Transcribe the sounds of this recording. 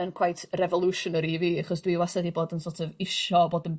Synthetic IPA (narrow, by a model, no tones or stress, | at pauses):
ənkʰwajtʰrɛvɔlˠuʃɔnəɾiviːaχɔsd̥wiwasɛðiboːdənsotʰəvɪʃɔboːdən